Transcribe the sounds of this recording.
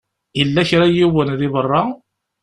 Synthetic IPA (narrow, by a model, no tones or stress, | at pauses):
ilːæçɾæjiwənðivərˤːɑ